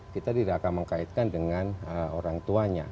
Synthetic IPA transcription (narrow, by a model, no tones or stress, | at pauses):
kit̪adiɾakaməŋkait̪̚kandəŋanəoɾaŋt̪uaɲa̰